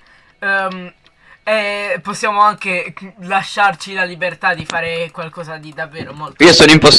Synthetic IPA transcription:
ɛposːjaːmoaŋk̟elaʃːart͡ʃilalibert̪ad̪ifaːɾekwalkɔːzad̪id̪avːeːɾomolt̪iːosoːnoimpos

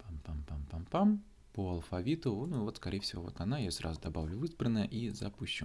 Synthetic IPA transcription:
pampampampampam | poɐlˠfɐvʲit̪ʊnuvot̪skɐɾʲejfʲsʲɪvo̞vo̰t̪ɐnajasra̰zʊd̪ɐbavlʲʊvɨzbɾənːəjəʔizɐpuɕːʊ

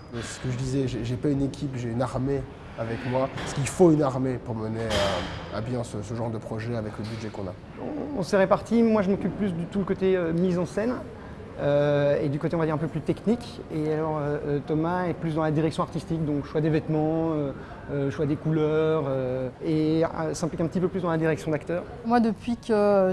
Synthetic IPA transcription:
ssə̥kəʒəd̪izɛʒɛʒɛpaynekʲʰipʒeynaʁme | avɛkmwasə̥kilfoynaʁmepuʁməneaa̰bjɛ̃səsəʒɑ̃ʁd̪əpχɔʒɛavɛkləbydʒɛkɔ̃na̰ | ɔ̰̃ɔ̰̃sɛʁepaʁt̪imwaʒəmɔkʲypːlysd̪ət̪uləkot̪eømizɑ̃sɛn | øed̪ykot̪eɔ̃vad̪iʁɛ̃pøplyt̪ɛknikʲ | ealɔʁøt̪ɔmaɛplys̬d̪ɑ̃lad̪iʁɛksjɔ̃aʁt̪ist̪ikd̪ɔ̃kʃwad̪evɛt̪mɑ̃ø | øʃwad̪ekulœʁøesɛ̃plikɛ̃pət̪ipøplysd̪ɑ̃lad̪iʁɛksjɔ̃d̪akt̪œːʁ | mwad̪əpɥikə

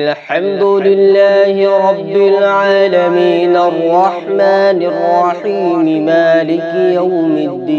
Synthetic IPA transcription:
lħamd̪ʊlɪlːaːhɪɾˤɑbːɪlʕaːlamiːnʔɑrˤːɑħmaːnɪrˤːɑħiːmɪmaːlɪkjawmɪd̪ːiː

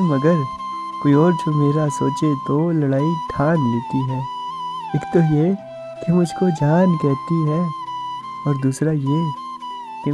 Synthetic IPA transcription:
mɐɡəɾ | koːiɔːɾd͡ʒomeːɾasoːt͡ʃet̪olɐɽaːiʈʰaːnleːt̪iɦɛː | eːkt̪oje | kemʊd͡ʒʱkod͡ʒaːnkɛɦt̪iɦɛː | ɔːɾd̪uːsɾaje | ke

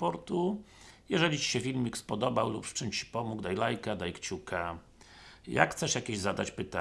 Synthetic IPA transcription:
pɔɾt̪u | jɛʐɛlʲit͡ɕi̥ɕɛfʲilmʲikspɔd̪ɔbawlupʂt͡ʂɘmt͡ɕi̥pɔmuɡd̪ajlajkad̪ajkt͡ɕukʰa | ja̰kxt̪sɛʂjakʲeʑzad̪at͡ɕpɘt̪a

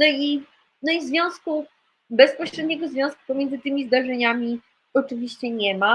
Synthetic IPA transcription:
nɔi | nɔizvʲjɔ̃w̃sku | bɛspɔɕɾɛd̪ɲɛɡɔzvʲjɔ̃sku̥pɔmʲjɛnɘt̪ɘmʲizd̪aʐɛɲamʲi | ɔt͡ʂɘvʲiɕt͡ɕɛɲɛma

